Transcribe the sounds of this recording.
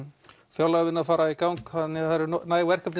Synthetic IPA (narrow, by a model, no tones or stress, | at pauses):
fjawlaɣvɪnːafaːɾaikawŋkhanːɪaɾɪnaːjvɛr̥kapt̪ɪ